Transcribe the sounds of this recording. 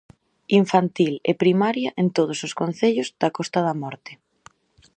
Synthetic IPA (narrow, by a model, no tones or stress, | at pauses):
iɱfant̪ilḛpɾimaɾjɐʔent̪oð̞ʊsoskon̟θeʎʊzðɐkɔst̪ɐðɐmɔɾt̪ɪ̥